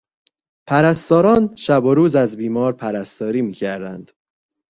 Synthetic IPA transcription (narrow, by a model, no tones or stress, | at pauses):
pʰæɾæst̪ɒːɾɒːnʃæboɾuːzæzbiːmɒːɾpʰæɾæst̪ɒːɾiːmiːcʰæɾd̪ænd̪̥